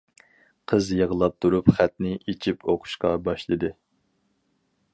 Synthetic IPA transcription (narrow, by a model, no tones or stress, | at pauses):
qʰəzjəʁəlˠɑp̚t̪ʰuɾupχæt̪nɪʔet͡ʃʰipʰoqʰʊ̥ʃqɑbɑʃlˠɨd̪ɨ